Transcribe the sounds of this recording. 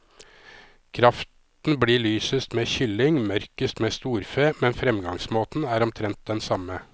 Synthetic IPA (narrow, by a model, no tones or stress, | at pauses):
kʰɾɑft̪ | n̩bɽiːɭyːsəst̪meːçʏlɪŋmœɾkəst̪meːst̪uːɾfeːmɛnfɾɛmɡɑŋsmoːt̪n̩æːɾɔmt̪ʰɾɛnt̪̚d̪ɛnsɑmə